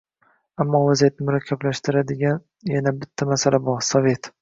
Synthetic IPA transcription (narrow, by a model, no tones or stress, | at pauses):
amːɒvazijat̪̚nɪmʊɾakʲʰːablaʃt̪ɪɾad̪ɪɡʲan | janabɪt̪ʰːamasalabɒɾsɒve̞t̪